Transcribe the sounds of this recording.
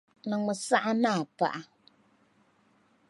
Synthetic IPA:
nɨ˨ŋɨ˨sa˦ʔa˦naː˦˨pa̰˨ʔa˨

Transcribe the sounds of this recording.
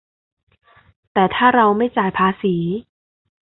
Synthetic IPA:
t̪ɛː˨˩t̪ʰaː˥˩ɾa˧wma˥˩jt͡ɕaː˨˩jpʰaː˧siː˩˦

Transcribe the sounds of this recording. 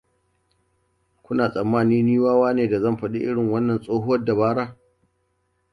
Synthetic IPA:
kʷʊ˦naː˨sʼɐ˨mːaː˦˨niː˦niː˦waː˦waː˦neː˨da˨zɐ˦mɸɐ˦ɗḛ˦ʔɪ˦ɽɪ˨ŋwɐ˦nːɐ˨nsʼoː˦ɦʊ˦wɐ˦da˨baː˦ɽaː˦

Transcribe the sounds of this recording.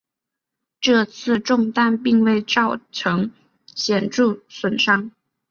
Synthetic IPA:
ʈ͡ʂɤ˥˧t͡sʰɹ̩˥˧ʈ͡ʂʊ˥˧ŋt̪a˥˧npi˥˧ŋwe˥˧ɪʈ͡ʂɑ˥˩ʊʈ͡ʂʰɤ˧˥ŋ | ɕjɛ˨˩nʈ͡ʂu˥˩swə˨˩nʂɑ˥ŋ

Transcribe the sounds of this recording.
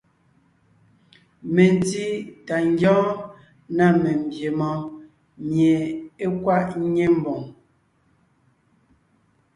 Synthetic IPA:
me˨n˨ti˦ta˨ŋ˦ɡɔ̃ː˦ | na˦˨me˨m̩˨bje˨mɔ˨˦ | mje˨e˦kwa˦ʔɲe˦m̩˨bɔ˨ŋ

